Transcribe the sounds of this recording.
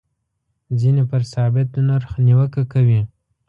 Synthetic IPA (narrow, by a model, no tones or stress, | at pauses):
zinepəɾsɑbɪt̪naɾxniwəkakawi